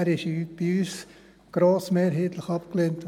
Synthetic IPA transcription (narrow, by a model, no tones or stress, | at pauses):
ɾɪʃiyb̥iyːs | ɡ̥ɾoːsmeːɾɦeːtləχɑpkleːnt